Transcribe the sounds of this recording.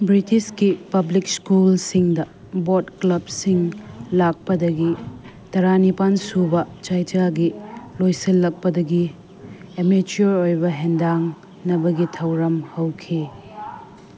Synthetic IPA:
bɾitiskipɐblikskulsiŋdɐ | botklɐbsiŋlak̚pɐdɐɡi | tɐɾanipansubɐt͡ʃajd͡ʒaɡilojsilːɐk̚pɐdɐɡi | emit͡ʃoɾojbɐɦendaŋ | nɐbɐɡitʰɐwɾɐmhɐwkʰi

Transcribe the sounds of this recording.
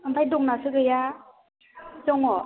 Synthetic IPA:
aŋpʰajduŋnasɯkɯja | t͡ʃɔŋɔ

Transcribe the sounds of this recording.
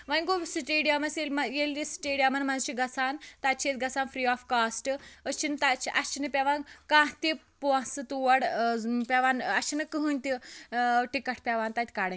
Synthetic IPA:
ʋanʲɡosʈeɽijamɐselʲmajelʲːisʈeɽijamɐnmanzt͡ʃiɡɐt͡sʰaːnt̪at͡ʃʰet͡s̪ɡɐt͡sʰanfɾiːɔfkasʈət͡ʃint̪at͡ʃiʔɐst͡ʃinɐpʲɛʋãnkãɦt̪i | pãsɨt̪uʋɐɽpʲɛʋanɐt͡ʃinɐkəɦɨnʲt̪i | ʈikɐʈʰpʲɛʋant̪at̪ʲkaɽã

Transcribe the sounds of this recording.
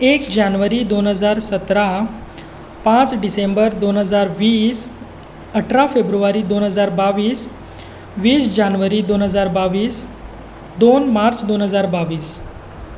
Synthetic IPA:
ekd͡ʑanʋəɾiːd̪onɦəd͡zaɾsət̪ɾa | pãt͡sɖisembəɾd̪onɦəd͡zaɾʋiːs | əʈʰɾafebɾuʋaɾiːd̪onɦəd͡zaɾbaʋiːs | ʋiːsd͡ʑanʋəɾiːd̪onɦəd͡zaɾbaʋiːs | d̪onmaɾt͡sd̪onɦəd͡zaɾbaʋiːs

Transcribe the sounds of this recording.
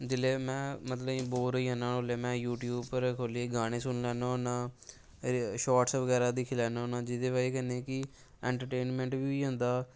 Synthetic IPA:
d͡ʒɪleːmɛ̃ːmət̪ləĩːboːɾəiːɦãːnaːnoːleːmɛ̃ːjuːʈjuːbpəɾkʰoːlieːɡaːɽ̃ẽːsʊnlɛːnoːonãː | ʃaːʈsʋəɡɛːɾaːd̪iːkʰelɛːnaːɦonãːd͡ʒɪd̪eːʋaːiːkɛːneːkɪ | ɛ̃ːɳʈəɾʈeːnmɛ̃ːɳʈʋiːiːɦʊ̃ːnd̪aː

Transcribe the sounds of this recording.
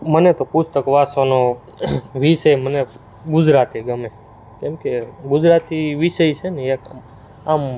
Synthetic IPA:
mənet̪opʊst̪əkʋasono | ʋiʃəjməne | ɡʊd͡ʒɾat̪ieɡəme | kemkeɡʊd͡ʒɾat̪iʋiʃəjt͡ʃʰeneek | am

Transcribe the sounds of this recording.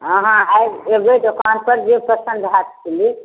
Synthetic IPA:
ə̃ɦãajbeɡedokanpəɾd͡ʒepɾəsənd̪ʱɦat̪kʰeli

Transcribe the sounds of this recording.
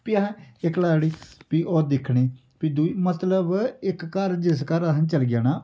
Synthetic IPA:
pɪaɦɛ̃ɪklaːɽiːpiːʔoːd̪ɪkʰɽ̃eː | piːd̪uiːmət̪ləbɪkːəɾd͡ʒɪs̬kəɾaɦənt͡ʃəlɡɪjaːnaː

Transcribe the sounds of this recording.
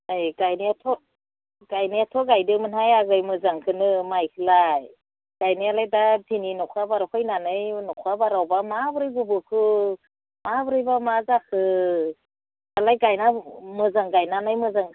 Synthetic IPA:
ajɡajniatʰɔ | ɡ̥ajnɯatʰɔɡajdɯmɯnhajaɡɯjmɯzaŋkʰɯnɯmajkʰɯlaj | ɡ̥ajnɯjalajdatʰininɔkʰabaɾawkʰajnanɯjnɔkʰabaɾawbamabɯɾɯjɡubɯkʰɯ | mabɯɾɯjbamazakʰɯ | alajɡajnamɯzaŋɡajnanɯjmɯzaŋ

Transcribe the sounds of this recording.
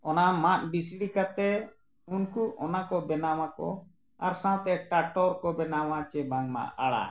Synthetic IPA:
ɔnamat̪̚bis̬ɽikat̪ɛ | unkuʔɔnakɔbɛnawakɔ̰ | aɾsãt̪ɛʈaʈɔɾkɔbɛnawat͡ʃɛbaŋma̰ʔa̰ɽa̰

